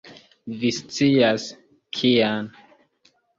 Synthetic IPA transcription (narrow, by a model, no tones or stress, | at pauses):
vist͡sias | kʰian